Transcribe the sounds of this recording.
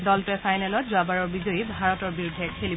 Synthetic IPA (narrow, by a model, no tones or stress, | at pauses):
dɔltʊɛfʰajnɛlɔtzʊabaɹɔɹbizojibʱaɹɔtɔɹbiɹudʱːɛkʰeli